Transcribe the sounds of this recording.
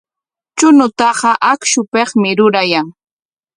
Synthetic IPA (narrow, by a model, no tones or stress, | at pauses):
t͡ʃʊnʊt̪ɑɢɑʔakʃʊpeχmɪɾʊɾajaŋ